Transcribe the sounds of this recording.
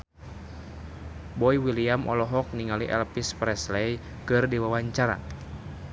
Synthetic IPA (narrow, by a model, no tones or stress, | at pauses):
bɔiwiliamʔɔ̰lɔɦɔk̚niŋaliʔɛ̰lpispɾɛslɛj | kɨrdiwawaɲt͡ʃaɾa̰